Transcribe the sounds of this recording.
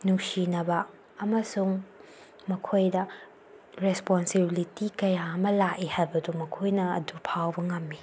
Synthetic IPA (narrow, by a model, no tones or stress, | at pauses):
nusinɐbɐ | ɐmɐsuŋ | mɐkʰojdɐ | ɾesponsibilitikɐjaɐmɐlaʔihajbɐdumɐkʰojnɐɐ̰dupʰawbɐŋɐmːi